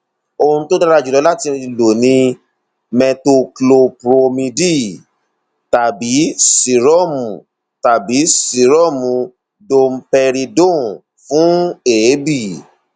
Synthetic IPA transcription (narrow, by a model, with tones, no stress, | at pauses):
o˧hũ˧to˦da˦ɾa˦˧˨d͡ʒu˨lɔ˨˧˦la˦ti˧lo˨nĩ˧ | mɛ̃˧to˧klo˧pɾo˧mĩ˧di˦˨ | ta˨bi˨˦si˨ɾɔ˦˨mũ˨ | ta˨bi˨˦si˨ɾɔ˦˨mũ˨ | do˧m̩˦pɛ˧ɾi˧dõ˦˨ | fũ˦e˨˦bi˦˨